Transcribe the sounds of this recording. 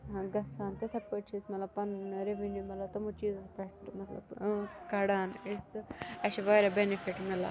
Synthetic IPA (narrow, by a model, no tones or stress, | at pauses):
ãɡɐsaːnt̪ɐt̪ʰɐpɐʈt͡ʃʰismɐt̪lɐb̚pɐnɾeʋinjumɐlɐt̪ɐmut͡ʃiːzpɐʈmɐt̪lɐ̰bkɐɽaːnest̪ɨɐt͡ʃiʋaːɾɐbenifiʈmela̰